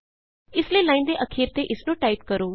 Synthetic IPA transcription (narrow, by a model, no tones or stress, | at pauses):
ɪslelãɪ̃nd̪eʔəkʰiːɾt̪eʔɪsnoʈaipkəɾo